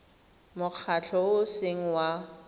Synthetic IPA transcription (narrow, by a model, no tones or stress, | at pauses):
mʊk͡xʰat͡ɬʰɔʊseŋ̩wa